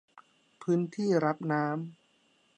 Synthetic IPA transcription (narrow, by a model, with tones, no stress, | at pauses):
pʰɯː˦˥nt̪ʰiː˥˩ɾa˦˥p̚naː˦˥m